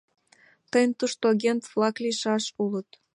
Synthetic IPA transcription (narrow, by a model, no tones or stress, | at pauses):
t̪əjənt̪uʃt̪oɑɣʲent̪vlɑkliʃɑʃulət̪